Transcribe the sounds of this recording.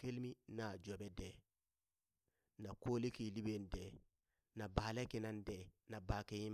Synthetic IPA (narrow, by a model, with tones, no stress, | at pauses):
ke˦lmi˦naː˨d͡ʒɔ˨bɛ˦dɛ˨ | na˨koː˦le˦ki˨li˦be˦n˦dɛː˨ | na˨baː˨le˦ke˨na˦n˦dɛ˨na˨baː˨ke˦i˦m